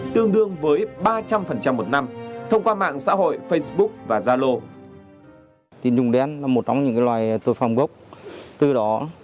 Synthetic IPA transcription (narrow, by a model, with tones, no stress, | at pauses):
t̪ɨ˧əŋɗɨ˧əŋvəː˨˦jɓaː˧t͡ɕa˧mfə˨˩nt͡ɕa˧mːo˨˩t̚na˧mt̪ʰə˧wŋ͡mkwaː˧ma̰ː˧˨ŋsa̰ː˧˥ɦo̰˧˨jfə˧jsɓʊ˦˥k̚vaː˨˩zaː˧lo˧ | t̪i˨˧˦nzʊ˨˩ŋ͡mɗe˧a˧nlaː˨˩mo˨˩t̚t͡ɕɔ˧wŋ͡mɲɨ̰˧˥ŋkaː˨˦jlwaː˨˩jt̪o˧jfaː˨˧˩ŋ͡mɣə˦˥wk͡p̚t̪ɨ˧˩ɗɔ˨˦